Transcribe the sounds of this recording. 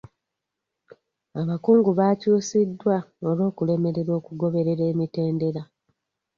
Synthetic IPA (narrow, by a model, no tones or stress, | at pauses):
aβakuːŋɡuβacuːsidːwao̞lo̞ːkule̞me̞ɾe̞ɾo̞ːkuɡo̞βe̞ɾe̞ɾe̞ːmite̞ːnde̞ɾa